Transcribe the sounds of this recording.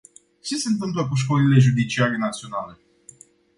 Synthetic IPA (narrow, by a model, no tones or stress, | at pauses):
t͡ʃe̞se̞nt̪ɨmpləkuʃ̬kolile̞ʒud̪it͡ʃiaɾenat̪sio̞nale̞